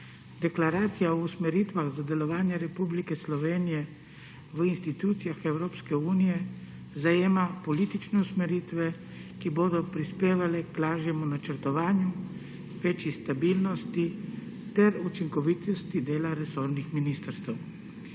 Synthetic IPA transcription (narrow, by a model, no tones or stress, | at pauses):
d̪ɛklaɾaːt̪sijaɔusmɛɾiːt̪ʋaɣzad̪ɛlɔʋaːnjɛɾɛpublikɛslɔʋeːnijɛ | ʋəinst̪it̪uːt̪sijaxɛwɾoːpskɛuːnijɛ | zajeːmapɔliːt̪it͡ʃnɛusmɛɾiːt̪ʋɛ | kiboːd̪ɔpɾispeːʋalɛkplaːʒjɛmunat͡ʃəɾt̪ɔʋaːnju | ʋeːt͡ʃjist̪abiːlnɔst̪it̪ɛɾut͡ʃiŋkɔʋiːt̪ɔst̪id̪eːlaɾɛsoːɾnixminiːst̪əɾst̪ɛw